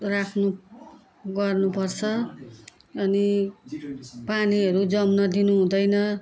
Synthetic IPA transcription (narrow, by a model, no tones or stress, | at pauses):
rakʰnu | ɡʌrnupʌrt͡sʰʌ | ʌni | paniɦʌɾud͡zʌmnʌd̪inuɦũd̪ʌjnʌ